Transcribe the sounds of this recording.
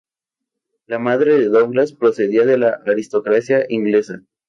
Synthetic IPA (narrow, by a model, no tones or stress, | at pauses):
lamaðɾe̞ðe̞ðoŋɡlaspɾo̞se̞ðiaðe̞laʔaɾist̪o̞kɾasjaʔiŋɡle̞sa